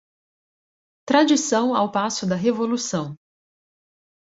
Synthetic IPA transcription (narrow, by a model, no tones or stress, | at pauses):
t̪ɾad͡ʒisɐ̃w̃awpasʊd̪ɐɦevolusɐ̃w̃